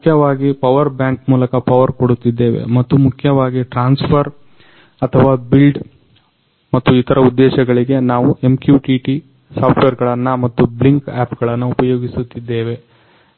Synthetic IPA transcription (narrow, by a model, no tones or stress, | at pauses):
kʰjɐʋaːɡipɐʋɐɾbjaːŋkmuːlɐkɐpɐʋɐɾkoɽut̪ːid̪ːe̞ːʋe̞̰mɐt̪ːumukʰjɐʋaːɡiʈɾaːnspʰɐɾ | ɐt̪ʰɐʋaːbilɖ | mɐt̪ːuit̪ʰɐɾɐud̪ːɛːʃɐɡɐɭiɡe̞naːʋue̞mkjuːʈiʈi | saːpʈʋeːɾɡɐɭɐnːɐmɐt̪ːubliŋkaːpɡɐɭɐnːɐupɐjoːɡisut̪ːid̪ːe̞ːʋe̞